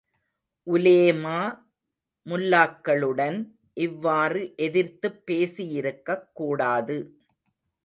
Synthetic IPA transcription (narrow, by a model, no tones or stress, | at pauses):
ʔʊleːmaː | mʊlːaːkːɐɭɯɽɐn | ʔɪʋːaːrɯʔɛðɪɾt̪ɯpːeːsijɪɾɯkːɐkːuːɽaːðɯ